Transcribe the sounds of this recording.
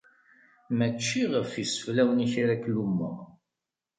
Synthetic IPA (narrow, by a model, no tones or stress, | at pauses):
mət͡ʃːiʁəfisə̥flæwəniçiɾæklumːə̰